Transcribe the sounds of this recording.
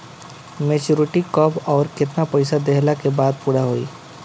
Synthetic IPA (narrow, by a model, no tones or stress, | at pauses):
meːt͡ʃoːɾɪʈikɔbɔːɾkɪt̪napɐɪsad̪eɦlakebaːd̪̚puːɽaɦoːḭː